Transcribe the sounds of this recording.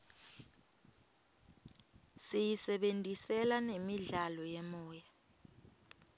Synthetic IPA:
sijisɛɓentʼisɛlanemiɮalɔjɛmɔːja

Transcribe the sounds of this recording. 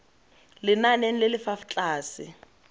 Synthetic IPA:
lɪnanen̩lɪlɪfaft͡ɬʼaːsɪ

